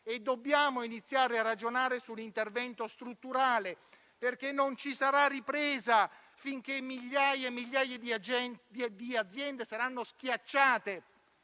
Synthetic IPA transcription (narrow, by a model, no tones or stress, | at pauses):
ed̪ːobːjaːmoinit̪sːjaːɾearːad͡ʒonaːɾesulːint̪ervɛnt̪ost̪ɾut̪ːuɾaːle | perkenːont͡ʃisaɾarːipɾɛːza | fiŋk̟emːiʎːaːjemːiʎːaːjed̪id͡ʒ̪d̪iad̪zːjɛnd̪esaɾanːosk̟jat͡ʃːaːt̪e